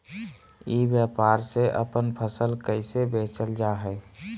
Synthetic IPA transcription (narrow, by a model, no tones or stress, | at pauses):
ibjəpaɾseʔə̰pənpʰəsəlkəɪsebet͡ʃəld͡ʒaɦɛɪ